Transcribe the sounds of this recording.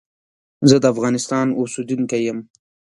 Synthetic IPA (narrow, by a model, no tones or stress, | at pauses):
zəd̪əafɣɑnɪst̪ɑnʊsud̪uŋkajəm